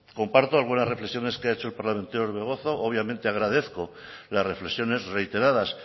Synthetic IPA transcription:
ko̞mpaɾt̪oalɣunazre̞flesjo̞ne̞skeaet͡ʃo̞elpaɾlament̪eoɾβe̞ɣ̞o̞θo̞ʔoβjamẽnt̪eaɣ̞ɾaðe̞θko̞ | lasre̞fle̞sjo̞ne̞zrejt̪e̞ɾaðas

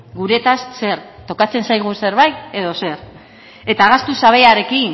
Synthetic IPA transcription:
ɡuɾe̞t̪asse̞ɾt̪o̞kat͡se̞nsajɣ̞use̞ɾβajt̪e̞ð̞o̞se̞ɾ | e̞t̪aːɣ̞ast̪usaβ̞e̞aɾe̞kin

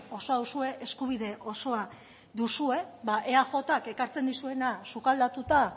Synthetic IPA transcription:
o̞soaðusue̞ʔeskuβ̞iðe̞ʔo̞so̞a | d̪usue̞baʔeaxo̞t̪ake̞kaɾt͡se̞nd̪isue̞nasukald̪at̪ut̪a

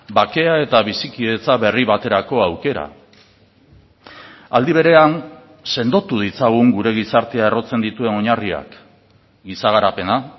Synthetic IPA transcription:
bake̞ae̞t̪aβ̞isikiðe̞t͡saβe̞riβat̪e̞ɾako̞awke̞ɾa̰ | ald̪iβ̞e̞ɾe̞an | se̞nd̪o̞t̪uð̞it͡saɣ̞uŋɡuɾe̞ɣ̞isaɾt̪eae̞ro̞t͡se̞nd̪it̪ue̞no̞ɲaria̰k | ɡisaɣaɾape̞na

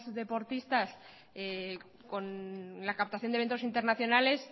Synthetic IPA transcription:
zðe̞po̞ɾt̪ist̪as | e | ko̞nlakap̚t̪aθjo̞nd̪ee̞nt̪osint̪e̞ɾnaθjo̞nale̞s

